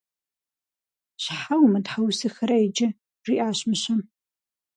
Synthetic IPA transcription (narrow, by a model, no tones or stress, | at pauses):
ɕħawmɐdħawsɨxɐɾaid͡ʒɐ | riːʔaːɕmɨɕɐm